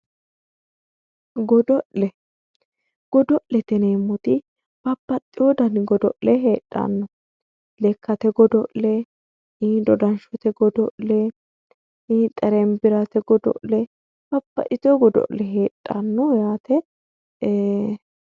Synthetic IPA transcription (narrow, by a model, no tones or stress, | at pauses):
ɡɔd̪ɔʔlɛ | ɡ̥ɔd̪ɔʔlɛt̪ɛneːmːɔt̪ɪ | b̥ɐbːɐt̪ʼːɪwɔd̪ɐnɡɔd̪ɔʔlɛɦeːᶑʼːɐ̰nːʊ | lɛkːɐt̪ɛɡɔd̪ɔʔlɛ | id̪ɔd̪ɐnʃɔt̪ɛɡɔd̪ɔʔlɛ | it̪ʼɐɾɛmbɪɾɐt̪ɛɡɔd̪ɔ̰ʔlɛ | b̥ɐbːɐ̰ʔɪt̪ɔɡɔd̪ɔ̰ʔlɛɦeːᶑʼːɐnːɔjaːt̪ɛ